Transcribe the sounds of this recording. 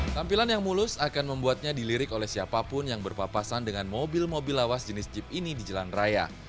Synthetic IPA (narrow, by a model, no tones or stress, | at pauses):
t̪ampilanjaŋmulʊsakanməmbuat̪̚ɲadiliɾɪkolɛhsiapapʊnjaŋbərpapasandəŋanmobɪlmobɪlawasd͡ʒənɪsd͡ʒɪp̚inidid͡ʒalanraja̰